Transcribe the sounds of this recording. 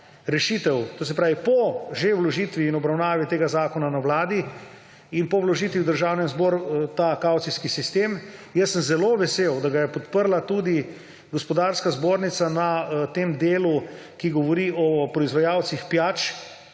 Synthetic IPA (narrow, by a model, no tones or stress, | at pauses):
ɾɛʃit̪ɛwt̪oːs̬ɛpɾaːʋipɔʒewlɔʒiːt̪ʋiːnɔbɾawnaːʋit̪eːɡazaːkɔnanawlaːd̪i | inpɔwlɔʒiːt̪ʋiwd̪əɾʒawnɛnzbɔɾt̪akawt̪siskisist̪eːmjəsːəmzɛloʋɛseːwd̪aɡajɛpɔt̪pəɾlat̪ud̪i | ɡɔspɔd̪aːɾskazboːɾnit̪sanat̪emd̪eːlu | kiɡɔʋɔɾiɔpɾɔizʋajawt̪sixpjaːt͡ʃ